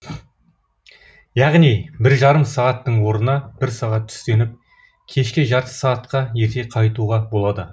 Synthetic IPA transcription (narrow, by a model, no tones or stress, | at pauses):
jɑʁnijbɪɾʒɑɾəmsɑʁɑt̪ːəɴwo̞ɾənɑb̥ɪɾsɑʁɑt̪ʰʏ̥st̪e̞nɪp̚ | kʲʰe̞ʃkʲɪʒɑɾt̪ə̥sɑʁɑt̪qɑje̞ɾt̪e̞qʰɑjt̪uʁɑbo̞lˠɑd̪ə